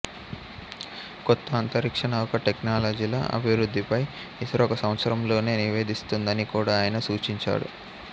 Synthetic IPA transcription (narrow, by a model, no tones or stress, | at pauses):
kɔt̪ːɐːnt̪ɐɾikʂɐɳɐɔkɐʈeknaːlod͡ʒiːlɐ̰ʔɐ̰bʱiʋɾud̪ʱːipɐj | isɐɾɔːkɐsɐwɐt̪sɐɾɐmlo̞ːne̞ːniʋe̞ːd̪ist̪und̪ɐnikuːɽaːjɐnɐsuːt͡ʃiɲt͡ʃa̰ːɽṵ